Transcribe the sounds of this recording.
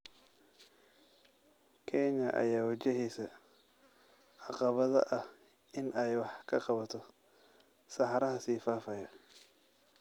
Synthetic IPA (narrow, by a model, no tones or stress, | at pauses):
kʰɛɲɐʔɐ̰jaːwɐt͡ʃɪɦiːsɐ | ʕɑqɑβɐðɐ̰ʔɐh | ʔɪnʔɛjwɑħkʰɐqɑβɐt̪ʰɔ | sɑħɑɾɐɦɐsiːfaːfɐjɐ